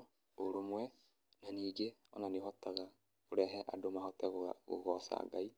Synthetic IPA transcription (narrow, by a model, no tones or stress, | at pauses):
oɾomwɛ | naniːɡeɔnanehɔtaɣa | koɾɛɦɛʔadomaɦɔtɛɣɣo̰ɣɔsa̰ŋɡai